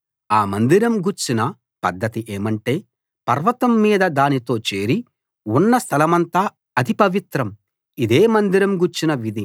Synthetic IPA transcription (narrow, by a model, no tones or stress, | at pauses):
aːmɐnd̪iɾɐmɡuɾt͡ʃinɐ | pɐd̪ːɐt̪iʔeːmɐɳʈe̞ː | pɐɾʋɐt̪ɐmːiːd̪ɐd̪aːnit̪o̞ːt͡ʃe̞ːɾi | unːɐst̪ʰɐlɐmɐnt̪aː | ɐd̪ipɐʋit̪ɾɐm | id̪e̞ːmɐnd̪iɾɐmɡuɾt͡ʃinɐʋid̪ʱi